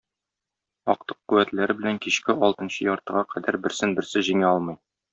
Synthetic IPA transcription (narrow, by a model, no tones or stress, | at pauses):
ɒ̰q̚t̪ɤ̥qːʉwæt̪læɾɘbɘ̆læŋkiɕkɘɒlˠt̪ɤ̆nɕɤjɒɾt̪ɤ̆ʁɑqʰæd̪æɾbɘ̆ɾsɘnbɘ̆ɾsɘʑiŋæɒlˠmɤj